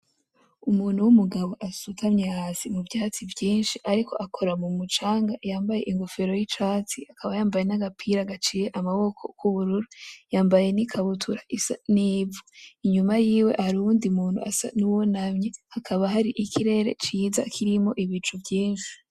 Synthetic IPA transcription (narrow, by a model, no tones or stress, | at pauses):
umuːn̥uwumuɡaβo̞ʔasutʰamɲehasimuvjaːt͡sivjiːnʃiʔaɾikʰo̞̰ʔakʰo̞ɾamumut͡ʃaːŋɡajaːmbaje̞ʔiŋɡofe̞ɾo̞jit͡ʃaːt͡siakaβajaːmbaje̞naɡapʰiɾaɡat͡ʃijeʔamaβo̞kʰo̞kuβuɾuɾujaːmbaje̞nikʰaβutʰuɾaʔisaniːvoiɲumajiːwe̞ʔhaɾuuːndiumuːn̥hṵʔasa̰nuwonamɲehakʰaβaɦaɾiʔikʰiɾe̞ɾe̞̰t͡ʃiːza̰kʰiɾimo̞ʔiβit͡ʃuvjiːnʃi̥